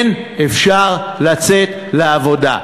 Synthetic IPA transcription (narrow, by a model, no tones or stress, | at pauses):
n | efʃaʁlat͡set̪ | leavo̞da̰